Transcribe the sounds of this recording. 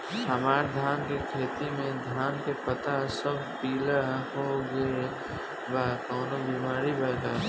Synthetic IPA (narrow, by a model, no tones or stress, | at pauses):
həmaːɾd̪ʱjaːnkekʰeːt̪imẽd̪ʱaːnkepət̪asəb̚piːlahoɡəe | bakɔːnobimaːɾibɛɡaː